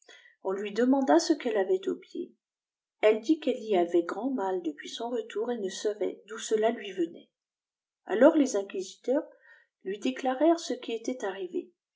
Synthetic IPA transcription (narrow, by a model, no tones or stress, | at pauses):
ɔ̃lɥid̪əmɑ̃d̪asəkɛlavɛt̪opjḛ | ɛld̪ikɛliavɛɡʁɑ̃mald̪əpɥisɔ̃ʁət̪uʁenəsavɛ̰d̪usəlalɥivənɛ̰ | a̰lɔʁlezɛ̃kʲizit̪œʁ | lɥid̪eklaʁɛʁsəkʲiet̪ɛt̪aʁivḛ